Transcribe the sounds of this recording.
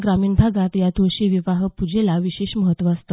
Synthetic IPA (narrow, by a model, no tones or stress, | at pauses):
ɡɾamiːɳbʱaɡat̪jad̪ʱoɕiʋiʋaɦpud͡ʑʱelaʋiɕeɕməɦət̪ʋaəst̪ə